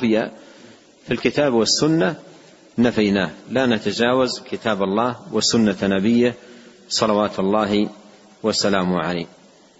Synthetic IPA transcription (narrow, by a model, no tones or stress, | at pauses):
fɪja | filkɪt̪aːbwasːʊnːa | nafajnaːhlaːnat̪ad͡ʒaːwazkɪt̪aːbalˤːɑːhwasʊnːanabɪjːɪh | sˤɑlɑwaːt̪alːɑːɦi | wasalaːmʕala̰ːh